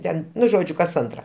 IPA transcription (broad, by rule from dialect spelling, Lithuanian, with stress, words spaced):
ˈtʲɛn ˈnʊ ˈʒoːd͡ʒʲʊ kɐs ˈɐntrɐ